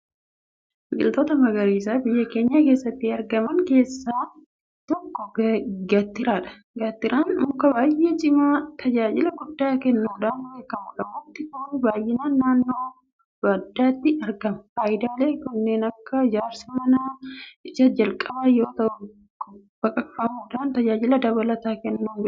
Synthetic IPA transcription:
mɪkʼɪ̰lt̪oːt̪ɐmɐɡɐɾiːs̬aːbɪjːɐke̞ːɲːaːkeːsːɐt̪ːɪɐɾɡɐmɐŋke̞ːsːaː | t̪ɔkːɔɡɡɐt̪ːɪɾaːᶑɐ̥ | ɡɐt̪ːɪɾaːnmʊkːɐbaːjʔeːt͡ʃʼɪmaːt̪ʰɐd͡ʒaːd͡ʒɪlɐɡʊd̪ːaːkɛnːuːkd̪aːnbeːkːɐmʊᶑɐmʊt̪ːɪkʊbaːjːɪnaːnːaːnːoː | baːd̪ːaːt̪ːɪɐɾɡɐmɐfaːjɪd̪aːle̞ːkʊnːeːnɐkːɐd͡ʒaːɾsɪmɐnaːɪd͡ʒɐd͡ʒɐlkʼɐbaːjo̞ːt̪ɐʔʊ | b̥ɐkʼɐfɐmʊɡd̪aːnt̪ɐd͡ʒaːd͡ʒɪlɐd̪ɐbɐlɐt̪aːkɛnːuːnb

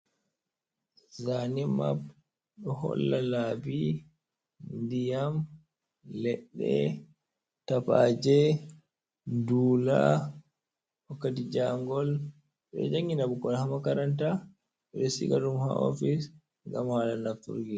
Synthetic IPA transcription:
zanima̰p | ɗɔhɔ̰lːalabi | ndijam | lɛɗːɛ̰ | tapad͡ʒɛ | nduːla | ɔkadid͡ʒaŋɡɔl | ɗɔ̰d͡ʒaŋɡinabukɔnhamakaɾanta | ɓɛɗɔsḭɡaɗumha̰ʔofis | ŋɡamhaːlanafṵɾɡi

